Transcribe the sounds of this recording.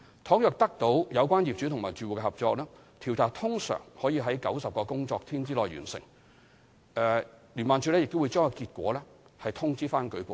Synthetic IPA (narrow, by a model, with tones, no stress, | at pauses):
t̪ʰɔː˨˥ŋjœː˨k̚t̪ɐ˥k̚t̪o˨˥wjɐ˨˧wkʷaː˥njiː˨p̚t͡ʃy˨˥t̪ʰʊ˨˩ŋmaː˨˩t͡ʃyː˨˩wu˨˩kɛ˧hɐ˨p̚t͡ʃɔː˧k̚lɛː˥ | t̪ʰi˨˩wt͡saː˨˩t̪ʰʊ˥ŋsœ̰ː˨˩ŋhɔː˨˥jiː˧ɦɐ˨˥jkɐ˨˥wsɐ˨p̚kɔː˧kʊ˥ŋt͡sɔː˧k̚t̪ʰiː˥nt͡siː˥lɔː˨˩jɥy̰ː˨˩nsɪ̰˨˩ŋ | ɛː˧liː˨˩nmaː˨nt͡ʃʰy˧˥lɛː˥jɪ˨k̚t̪o˥wu˨˧jt͡ʃœː˥ŋkɔ˧kiː˧t̚kʷwɔ̰ː˨˥lɛː˥ | hɐ˨jt̪ʰʊ˥ŋt͡siː˥faː˥nkɵ˨˥ɥkʷu˨˧